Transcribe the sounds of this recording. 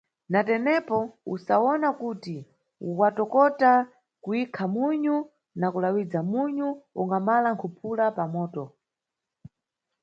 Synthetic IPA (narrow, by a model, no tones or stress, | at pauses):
natɛnɛpɔṵsaɔnakuti | uwatɔkɔta | kuikʰamuɲu | nakulawid͡zamuɲuuŋɡamalaŋkʰupʰulapamɔːtɔ